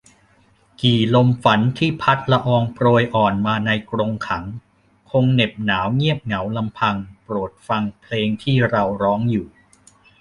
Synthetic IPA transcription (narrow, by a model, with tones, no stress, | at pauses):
kiː˨˩lo˧mfa˩˦nt̪ʰiː˥˩pʰa˦˥t̪̚la˧ʔɔː˧ŋpɾoː˧jʔɔː˨˩nmaː˧na˧jkɾo˧ŋkʰa˩˦ŋ | kʰo˧ŋne˨˩p̚naː˩˦wŋi˥˩əp̚ŋa˩˦wla˧mpʰa˧ŋpɾu˨˩t̪̚fa˧ŋpʰleː˧ŋt̪ʰiː˥˩ɾa˧wɾɔː˦˥ŋjuː˨˩